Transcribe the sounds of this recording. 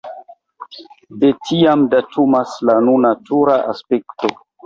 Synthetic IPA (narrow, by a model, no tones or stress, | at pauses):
detʰiamdatumaslanunatuɾaʔa̰spekto̞